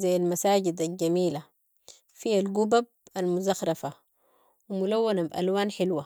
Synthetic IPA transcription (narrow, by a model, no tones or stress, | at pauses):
zajːalmasaːɟid̪alɟamiːla | fialɡubab̚almuzaxɾˤɑfa | wimulawːanabʔa̰lwaːnħɪlwa